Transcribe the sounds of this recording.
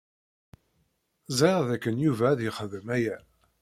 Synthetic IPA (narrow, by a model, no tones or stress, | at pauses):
zɑʁðækːənjuvæðɪχəðəmæjæ